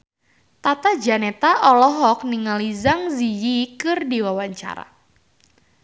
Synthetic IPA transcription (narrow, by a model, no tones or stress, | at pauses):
t̪at̪ad͡ʒanet̪aʔɔlɔɦɔk̚niŋalizaŋzijikɨrdiwawaɲt͡ʃa̰ɾa̰